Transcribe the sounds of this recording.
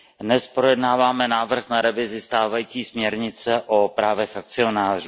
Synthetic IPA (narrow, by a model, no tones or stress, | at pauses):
nɛspɾo̞jɛdnaːvaːmɛnaːvr̩xnaɾɛvɪzɪst̪aːvajiːt͡siːsmɲɛɾɲɪt͡sɛʔopɾaːvɛxak̚t͡sɪo̞naːruː